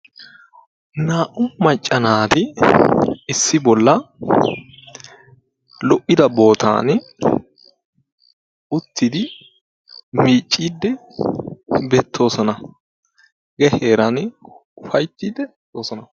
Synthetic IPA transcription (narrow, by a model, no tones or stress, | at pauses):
naːʔʊmɐt͡ʃʼːɐnaːt̪ɪ | ɪsːɪbɔlːɐ | lɔʔɪd̪ɐbo̞ːt̪ʰa̰ːn | ʊt̪ːɪd̪ɪ | miːt͡ʃʼːiːd̪ːɛ | beːt̪ʰːo̞ːsɔnɐ | ɡɛheːɾɐnʊfɐjt̪ːiːd̪ɛ | oːsɔnɐ